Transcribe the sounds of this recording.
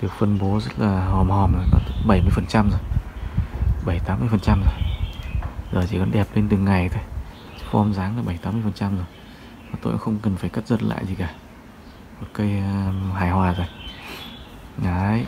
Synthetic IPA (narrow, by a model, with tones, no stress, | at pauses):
vɨ˨˩ək̚fə˧nɓo˨˦zə˦˥t̚laː˨˩hɔ˨˩mhɔ˨˩mlaː˨˩nɔ̰˨˦t̪ʰɓə˧˩jmɨ˧əjfə˨˩nt͡ɕa˧mzo˨˩j | ɓə˧˩jt̪aː˨˦mɨ˧əjfə˨˩nt͡ɕa˧mzo˨˩j | zoː˨˩jt͡ɕi˧˩kɔ˨˦nɗɛ˨˩p̚le˧nt̪ɨ˨˩ŋːa˨˩jt̪ʰo˧j | t͡ɕxo˧ʔɔ˧mzaː˨˦ŋlaː˨˩ɓə˧˩jt̪aː˨˦mːɨ˧əjfə˨˩nt͡ɕa˧mzo˨˩j | maː˨˩t̪o̰˧˨ʔa̰˧˥xə˧wŋ͡mkə˨˩nfaː˧˩jkə˦˥t̚zə˨˩t̚la̰ː˧˨jzi˨˩kaː˧˩ | mo˨˩t̚kaəː˨˦jɦaː˨˩jhwaː˨˩zo˨˩j | ʔaː˨˦j